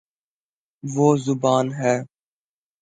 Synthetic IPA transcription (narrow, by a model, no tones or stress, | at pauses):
ʋoːzʊbaːnɦɛː